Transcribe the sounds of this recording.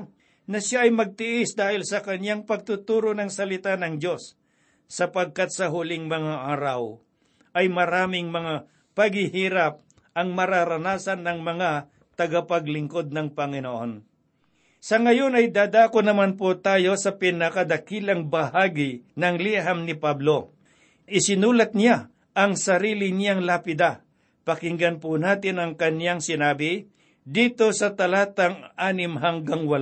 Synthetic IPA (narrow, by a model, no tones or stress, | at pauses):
nɐʃaʔɐjmɐɡ̚t̪ɪʔɪsd̪aːhɪlsɐkɐɲjaŋpɐɡ̚t̪ʊt̪uːɾonɐŋsɐlɪt̪anɐŋdo̞sː | ɐpɐɡ̚kat̪̚sɐɦʊlɪŋmɐŋaʔaːɾɐw | ʔɐjmɐɾaːmɪŋmɐŋa | pɐɡɪhiːɾɐp̚ | ʔɐŋmɐɾaɾɐnaːsɐnːɐŋmɐŋa | t̪ɐɡapɐɡlɪŋko̞d̪̚nɐŋpɐŋɪnoʔon | sɐŋɐjo̞nɐjd̪aːd̪aːkonɐmanpot̪aːjo̞sɐpɪnɐkɐd̪ɐkiːlɐŋbɐhaːɡɪnɐŋliɦamnɪpablo̞ | ʔɪsɪnuːlɐt̪̚nja | ʔɐŋsɐɾiːlɪnjaŋlapɪd̪a | pɐkɪŋɡɐnpʊnaːt̪ɪnɐŋkɐnjaŋsɪnaːbɪ | d̪iːt̪o̞sɐt̪ɐlaːt̪ɐŋaːnɪmɦɐŋɡaŋwɐla